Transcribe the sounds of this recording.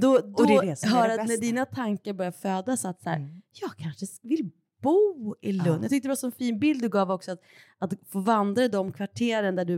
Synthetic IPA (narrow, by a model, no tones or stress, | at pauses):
d̪ɔd̪ɔd̪ɛɛsɦœːɾat̪næɖiːnat̪ʰaŋkaɾbœɾjaføːd̪asat̪sæ̰ːɾjɑːɡ̚kʰanʂəvɪl | b̥uːɪlɵnːjɑt̪ʏkt̪əd̪ɾɛvasɔnfiːnbɪld̪d̪ɵɡɑːvɔksɔat̪ | at̪foːvand̪ɾaɪd̪ɔmkʰvaʈʰeːɾənad̪æɖɵ